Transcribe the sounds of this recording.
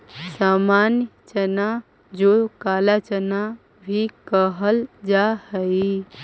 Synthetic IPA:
samanjt͡ʃəna | d͡ʒokalat͡ʃəna | bʱikəɦəld͡ʒahəi

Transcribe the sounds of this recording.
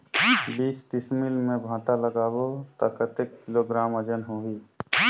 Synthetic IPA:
biːsʈɪsmilmẽbʱãːt̪aləɡaːbot̪əkət̪ekːɪloɡɾaːməd͡ʒənɦoiː

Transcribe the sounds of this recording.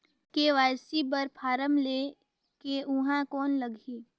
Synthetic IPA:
keʋaːjsibəɾpʰaːɾəmle | keʔʊɦãkɔːnlɐɡʱi

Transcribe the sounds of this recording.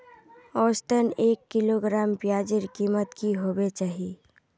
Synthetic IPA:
ɔːst̪əneːkːɪloɡɾaːmpjaːd͡ʒɪɾkiːmət̪kiɦoːbet͡ʃaːɦi

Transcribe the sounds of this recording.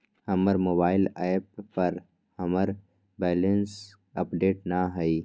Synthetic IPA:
hɐməɾmoːbaːɪlaːɪp̚pːɐɾ | hɐməɾ | bɛːləns | ɐpɖeːʈnaɦɐiː

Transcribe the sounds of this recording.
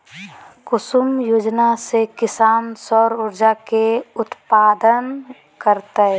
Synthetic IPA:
kʊsʊmjoːd͡ʒnasekɪsaːnsɔːɾʊɾd͡ʒakeʊt̪paːd̪ən | kəɾt̪a

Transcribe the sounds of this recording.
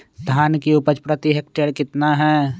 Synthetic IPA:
d̪ʱaːnkiʊpət͡ʃpɾət̪iɦek̚ʈeɽkɪt̪naɦɛː

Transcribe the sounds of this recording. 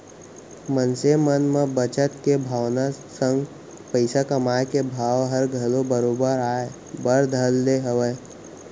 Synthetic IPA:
mənsemənmẽbət͡ʃət̪kebʱaːwnasə̃ŋɡ | pəɪsakəmaːekebʱaːwɦəɾɡʱəlobəɾoːbəɾaːe | bəɾd̪ʱəlːeɦəʋe

